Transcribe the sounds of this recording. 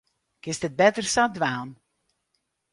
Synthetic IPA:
kɪsdət̚bɛtərsadʋaːn

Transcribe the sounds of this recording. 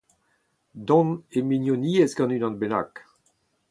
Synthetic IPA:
d̪ɔ̃neminjoniɛzɡɑ̃nynɑ̃nbena̰k

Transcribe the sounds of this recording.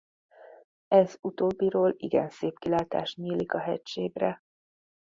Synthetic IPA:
ɛzut̪oːbːiɾoːlḭɡɛ̰nseːpkilaːt̪a̰ːʃɲiːlikɒɦɛcʃeːɡrɛ

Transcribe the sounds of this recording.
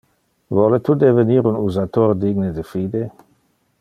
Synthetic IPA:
vɔlet̪udeveniːɾunuzat̪oːrdiːɡnedefiːde

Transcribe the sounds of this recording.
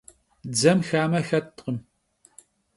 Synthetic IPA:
d͡zɐmxaːmɐxɐtqəm

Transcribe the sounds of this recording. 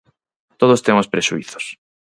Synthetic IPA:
t̪oð̞ost̪emʊspɾeʃuiθo̥s

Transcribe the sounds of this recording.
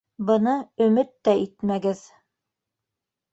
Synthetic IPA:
bɤ̆nɤɵ̆mɘt̪ːæit̪mæɡɘð

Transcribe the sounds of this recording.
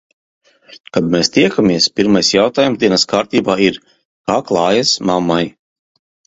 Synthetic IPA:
kad̪mɛːst̪iɛkamiɛspʲiɾmajsjawt̪aːjumzd̪iɛnɐskaːɾt̪iːbaːiɾ | kaːklˠɑːjasmamːaj

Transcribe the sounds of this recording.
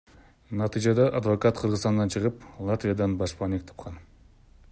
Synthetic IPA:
nɑt̪id͡ʒɑd̪ɑʔɑd̪vokat̪qʰɯɾʁɯzt̪ɑnd̪ɑnt͡ʃʰɯʁɯplˠat̪vʲijad̪ɑnbɑʃpɑnek̚t̪ʰɑ̥p̚qʰɑn

